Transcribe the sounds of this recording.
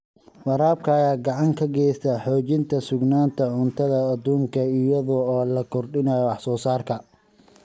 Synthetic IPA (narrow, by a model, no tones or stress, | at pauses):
wɑɾaːb̚kʰɐːjaːɡɑʕɑŋkʰɐɡɛːjst̪ʰɐħɔːt͡ʃɪnt̪ʰɐsʊɡnaːnt̪ʰɐʕʊnt̪ʰɐðɐːd̪uːŋkʰɐɪjɐðɔɔːlɐkʰɔrɖɪnɐjɔɑħsɔːsaːrkʰɐ